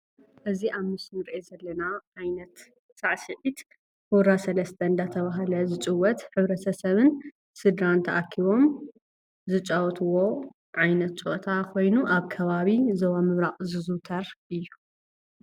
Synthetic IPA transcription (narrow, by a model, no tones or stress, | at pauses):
ʔɨziʔaβmɨsmɨɾʔezɐlːɐnaʕajnɐt̪ | sʼaʕsɨʕit̪ | huɾasɐlɐst̪ʰɐnd̪at̪ʰɐβaɦlɐzɨt͡ʃʼɨwːɔt̪ħɨβɾɐt̪ʰɐsɐβɨn | sɨd̪ɾant̪ʰɐʔakʰːiβo̞m | zɨt͡ʃʼawɔt̪ʰɨwo̞ | ʕajnɐt̪̚t͡ʃʼo̰ʔt̪ʰakʰo̞jnuʔaβkʰɐβaβizɐwamɨβɾaqʼzɨzut̪ʰɐɾʔɨjːu